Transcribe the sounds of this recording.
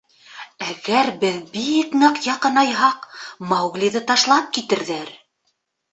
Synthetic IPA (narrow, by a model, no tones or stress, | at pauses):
æɡæɾbɘðbiknɤqjɑqɤ̆nɑjɦɑqmɑwɡlʲiðɤt̪ɑʃlˠɑp̚kit̪ɘ̆ɾðæɾ